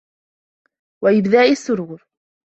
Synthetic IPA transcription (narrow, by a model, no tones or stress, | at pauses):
waʔɪbðaːʕɪsːʊɾuːɾ